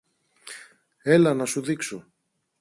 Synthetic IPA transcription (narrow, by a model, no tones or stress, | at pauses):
e̞lɐnɐsuðikso